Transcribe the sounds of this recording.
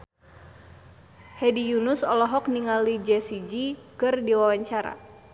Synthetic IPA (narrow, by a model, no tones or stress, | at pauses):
hɛdijunʊsɔlɔɦɔk̚niŋalid͡ʒɛsid͡ʒikɨrdiwawaɲt͡ʃaɾa̰